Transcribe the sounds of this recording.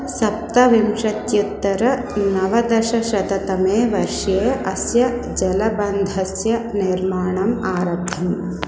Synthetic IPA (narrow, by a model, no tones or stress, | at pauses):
sɐp̚t̪ɐʋimʂɐt̪jut̪ːɐɾɐ | nɐʋɐd̪ɐʃɐʃɐt̪ɐt̪ɐmeːʋɐɾʂjeːʔɐsjɐd͡ʒɐlɐbɐnd̪ʱɐsjɐniɾmaːɳɐmaːɾɐb̚ʱɐm